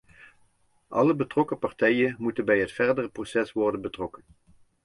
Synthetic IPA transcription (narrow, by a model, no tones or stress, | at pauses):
ʔɑ̰ləbətrɔkəpɑɹtɛjənmutənbɛjɦətfɛɹdərəprosɛsʋɔɹdənbətrɔkən